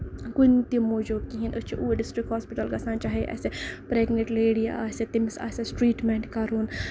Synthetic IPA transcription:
kunt̪imod͡ʒoːkiɦinʔɨt͡ʃʰiʔuɖisʈɾikhoːspiʈɐlɡɐsaːnt͡ʃaɦeʔɛ̰sepɾeːɡneʈleːɽia̰ːset̪imsa̰ːsʲesʈɾiːʈmeɳʈkɐɾuːn

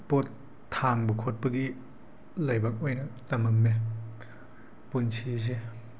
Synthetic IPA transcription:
potʰː | aŋbukʰot̚pɐɡi | lɐjbak̚ɔjnɐtɐmɐmːe | punsʰize

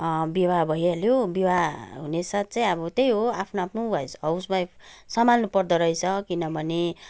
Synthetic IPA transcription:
biwabʱʌjaljobiwaɦunesat̪̚t͡saĩʌbʌt̪ejɦoapʰnoapʰnubʱʌjsʌwsbajsʌmanːupʌrd̪ʌɾʌjt͡sʰʌkinʌbʱʌne

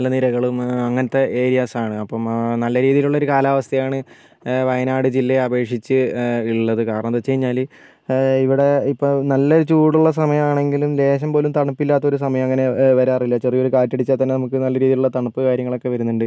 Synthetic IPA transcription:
ɐlːɐniɾɐɣɐɭumɐŋːɐnɐt̪ːe̞ʔeːɾijaːsaːɳɨɐpːɐmnɐlːɐɾiːðijiluɭːɐoɾukaːlaːʋɐst̪ʰɐjaːɳɨ | ʋɐjɐnaːɽɨd͡ʑilːeɐbe̞ːʂit͡ɕːɨiɭːɐðɨkaːɾɐɳɐðɐt͡ɕːe̞jiɲːaːli | iʋiɽe̞ipːoɭnɐlːout͡ɕuːɽuɭːɐs̬ɐmɐjɐmaːɳe̞ŋɡilumd̪e̞ːɕ̬ɐmpo̞ːlumt̪ɐɳupːilːaːt̪ːɐo̞ɾus̬ɐmɐjɐmɐŋːɐne̞ʋɐɾaːrilːɐt͡ɕerijo̞ɾukaːtːiɽit͡ɕːaːt̪ɐnːenɐmukːɨnɐlːɐɾiːðiluɭːɐt̪ɐɳupːɨkaːɾjɐŋːɐɭo̞kːe̞ʋɐɾunːuɳɖɨ

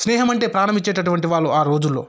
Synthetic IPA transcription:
snɛːɦɐmɐɳʈe̞ːpɾaːɾɐmbiɲt͡ʃːe̞ːʈɐʈuʋɐɳʈiʋaːɭːuʔaːɾo̞ːd͡ʒulːoː

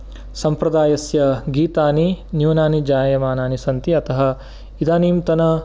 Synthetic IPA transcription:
sɐmpɾɐd̪aːjɐsjɐɡiːt̪aːninjuʋnaːnid͡ʒaːjɐmaːnaːnisɐnt̪iɐt̪ɐɦɐ̆ | id̪aːniːmt̪ɐnɐ

